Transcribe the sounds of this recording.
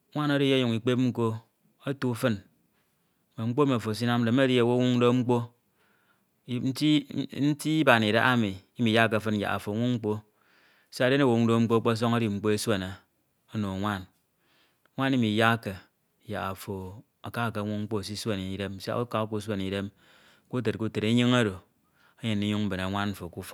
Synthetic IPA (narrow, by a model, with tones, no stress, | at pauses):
ŋʷa˦no˦di˦je˦ju˨ŋi˨k͡pe˦p̚ŋ͡m̩˦ko˦ | o˦tu˦fɨ˦n˨ | me˨ŋ͡m̩˦k͡po˦me˨fo˨s̬i˦na˦m˦de˨˦e˦di˦e˨wo˦ŋʷu˦do˦ŋ͡m̩˦k͡po˦ | n̩˦i˦n̩˦ti˦i˦ba˨ni˨ɾa˦ʔa˦mi˨i˦mi˨ja˦ke˨fɨ˦n˨ja̰˨a̰˨fo˨ŋʷu˦ŋ͡m̩˦k͡po˦˨ | sa˦de˦ne˦wo˨u˦ŋ̩˦do˦ŋ͡m̩˦k͡po˦k͡po˦s̬o˦ŋa˦di˦ŋ͡m̩˨k͡po˦e˦swe˦ne˨ | o˦no˨ŋʷa˦n˦ | ŋʷa˦ni˦mi˨ja˦ke˨ | ja̰˨a˨fo˨ | a˨ka˦˨ke˨˦ŋʷu˦ŋ͡m̩˦k͡po˦˨s̬i˦swe˦ni˨i˨de˦m˦sa̰˦u˦ka˦ku˦s̬we˦n˨i˨de˦m˦ | ku˦t̬e˨t̚ku˦te˨ɾe˨˦ɲi˦ŋa˦do˨ | e˦ɲe˨nːi˦ɲu˦ŋm̩˦be˨na˨ŋʷa˦n̩˦fo˨ku˦fo̥˨˦